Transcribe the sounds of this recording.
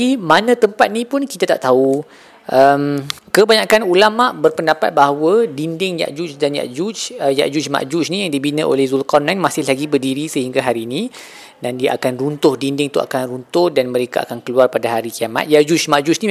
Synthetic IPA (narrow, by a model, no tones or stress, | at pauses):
imanãt̪əmpat̪̚nĩpʊnki̥t̪at̪a̰ʔt̪au | ʔəmkəbaɲakanulamaʔbərpəndapat̪̚baɦwədindɪŋja̰ʔd͡ʒut͡ʃdanja̰ʔd͡ʒut͡ʃəja̰ʔd͡ʒut͡ʃma̰ʔd͡ʒut͡ʃnijaŋdibinəʔo̰lɛhzulkɔnanmasɪhlaɡibərdiɾisəhiŋɡaɦaɾinĩ | dandia̰ʔakanrunt̪ʊhdindɪŋt̪uʔa̰kanrunt̪ʊhdanmə̃ɾekaʔa̰kankəluarpadaɦaɾikiama̰t̪̚jaʔd͡ʒut͡ʃmaʔd͡ʒut͡ʃni